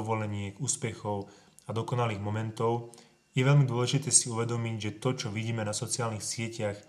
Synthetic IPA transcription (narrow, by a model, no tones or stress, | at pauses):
ɔʋɔlɛɲɪɛɡuːspɛxɔʊ | ad̪ɔkɔnaliːɣmɔmɛnt̪ɔʊ | jɛʋɛlmid̪ʊɔlɛʒit̪ɛːsiuʋɛd̪ɔmiɟʒɛt̪ɔt͡ʃɔʋiɟiːmɛnasɔt͡siaːlnixsɪɛcax